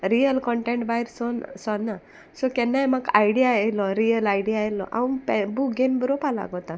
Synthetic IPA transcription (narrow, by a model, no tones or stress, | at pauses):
ɾijəlkɔɳʈẽɳʈ̚baiɾsɔnsɔnːa | sɔkɛnːajmakajɽijaelɔɾijəlajɽijajlɔ̰ʔa̰ũpbuɡenbəɾɔpala̰ɡɔt̪a